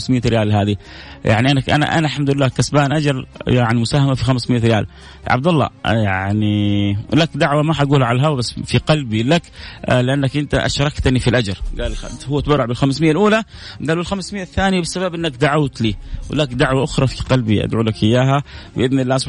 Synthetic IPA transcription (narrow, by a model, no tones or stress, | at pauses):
smɪjːaɾɪjaːlɦaːði | ja̰ʕniʔanːakʔa̰na̰ʔa̰nalħamd̪ʊlɪlːaːkasbaːnʔad͡ʒɑɾjaʕnimʊsaːhamafixamsmɪjːaɾɪja̰ːl | ʕa̰b̚d̪alˤːɑ̰jaʕnilakd̪aʕwamaħaɡuːlʕalaɦawbasːfiqɑlbilaklɪʔanːakʔɪnt̪aʔa̰ʃɾˤɑkt̪nifilʔad͡ʒɑɾˤɡaːlhʊwːat̪bɑɾˤːɑʕbɪlxamsmɪjːalʔuːlaɡaːlɪlxamsmɪjːaθːaːnjabɪsːababʔɪnːakd̪aʕawt̪liːwɪlakd̪aʕwaʔʊxɾˤɑfiqɑlbiʔa̰d̪ʕuːlakʔɪjːaːɦabɪʔɪðnɪlːaːsˤ